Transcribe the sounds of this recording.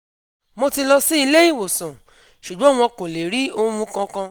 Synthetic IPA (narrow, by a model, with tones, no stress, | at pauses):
mo˧ti˧lɔ˧si˦i˧le˦ji˦˨wo˨sã˨ | ʃu˨ɡ͡bɔ̃˨˦w̃ɔ̃˧kõ˨le˨ɾi˦o˧˦mũ˧kã˧kã˧